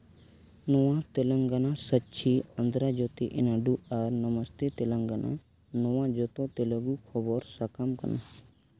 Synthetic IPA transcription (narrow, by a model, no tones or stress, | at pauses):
nɔwãt̪eləŋɡanãsətːt͡ʃʰiənd̪ɾad͡ʒot̪iʔɪnaɖuaɾnəməst̪et̪eləŋɡanã̰ | nowãd͡ʒot̪ot̪eləɡukʰɔbɔɾsakamkə̰na